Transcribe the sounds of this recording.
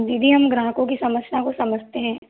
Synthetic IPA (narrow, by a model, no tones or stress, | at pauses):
d̪iːd̪ʱiɦɐmɡɾãːkõkisɐməsnakosɐməd͡ʒʱt̪eɦɛ̃ː